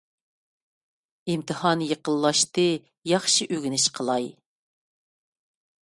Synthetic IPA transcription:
imt̪ʰɨhɑnjəqəlˠːɑʃt̪ɨ | jɑχʃiʔøɡʲinɪʃqʰəlˠɑj

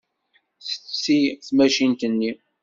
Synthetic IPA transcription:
θə̥siθmæʃint̪ənːi

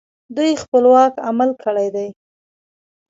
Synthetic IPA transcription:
d̪ujxpəlwɑkamalkʰəɽajd̪aj

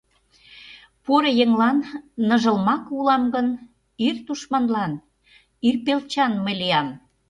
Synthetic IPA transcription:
poɾəjeŋlɑnːɤʒə̆lmɑkulɑmɡən | irt̪uʃmɑnlɑn | yrpelt͡ɕɑnmə̆jlijɑm

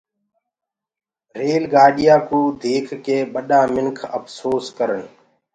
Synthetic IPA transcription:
ɾeːlɡaːɗɪjaːkũːd̪ʱeːkʰkeːɓəɗãːmɪŋkʰə̰pʰsoːskəɾəɳ

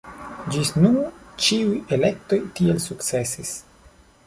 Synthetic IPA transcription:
d͡ʒisnuɾt͡ʃiuje̞le̞k̚to̞jtie̞lsuktt͡se̞sis

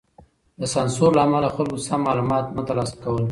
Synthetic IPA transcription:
d̪əsɑnsoɾlaːmalaxalɡosamːɑlumɑt̪nat̪alɑskawəl

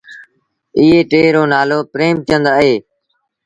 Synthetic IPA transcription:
ɪːeːʈeːɾoːnaːloːpɾeːmt̪ɪə̃nd̪aːɦeː

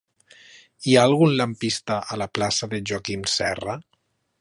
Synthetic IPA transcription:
iaːlˠɣunlampist̪aʔalaplasaðeʒakimsɛra

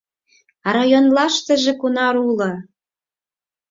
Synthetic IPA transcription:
ɾɑjonlɑʃt̪ə̆ʒĕkunɑɾulɤ̆

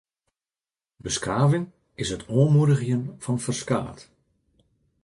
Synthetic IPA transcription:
bəskaːvɪŋ | ɪsɦətʰoəmudəɣjənv̥ɑnfərska̰ːt

